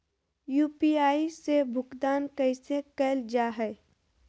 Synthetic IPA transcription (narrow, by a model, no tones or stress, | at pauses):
juːpiaːisebʱʊkd̪aːnkəɪsekɛːld͡ʒaːɦɛː